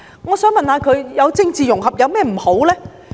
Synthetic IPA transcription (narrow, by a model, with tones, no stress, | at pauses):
ŋɔː˨˧sœː˨˥ŋmɐ˨nhaː˨˧kʰɵ˨˧ɥjɐ˨˧wt͡sɪ˥ŋt͡siː˨jʊ˨˩ŋhɐ˨p̚jɐ˨˧wmɛː˥m̩˨˩ho˨˥wlɛː˥